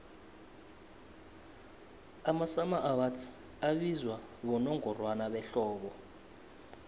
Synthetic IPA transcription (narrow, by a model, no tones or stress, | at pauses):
amasamaʔawatʰi̥ | aɓizwa | ɓɔnɔŋɔrwanaɓɛɬɔːɓɔ